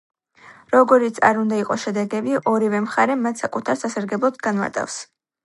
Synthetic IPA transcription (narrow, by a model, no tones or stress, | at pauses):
ɾɔɡɔɾit̪sʰa̰ɾund̪aiqʼɔʃɛd̪ɛɡɛbiʔɔɾivɛmχaɾɛmat̪ʰsakʼut̪ʰaɾsasaɾɡɛblˠɔd̪ɡanma̰ɾt̪ʼa̰fs